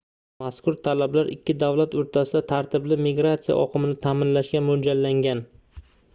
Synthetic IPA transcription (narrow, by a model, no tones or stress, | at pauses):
maskʊɾt̪ʰalablaɾʔɪkʲʰːɪd̪avlat̪oɾt̪ʰasɪd̪at̪ʰaɾt̪ʰɪblɪmɪɡɾat̪sɪja̰ʔɒqʰɨmɪnɪt̪ʰamɪnlaʃkʲamʊd͡ʒalːaŋɡʲan